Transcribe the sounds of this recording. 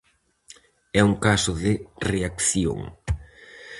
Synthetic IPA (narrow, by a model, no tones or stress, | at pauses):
ɛuŋkasʊðɪreakθjo̰ŋ